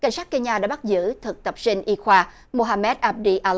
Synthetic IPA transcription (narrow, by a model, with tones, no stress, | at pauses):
ka̰˨˧˦jŋsaː˦˥k̚ke˧ɲaː˧˩ɗa̰ː˧˥ɓa˦˥t̚zɨ̰˧˥t̪ʰɨ˨˩k̚t̪ə˨˩p̚si˧ŋ̟ʔi˧xwaː˧ | mo˧ɦaː˧mɛ˦˥t̚ʔaː˧p̚ɗi˧ʔaː˧l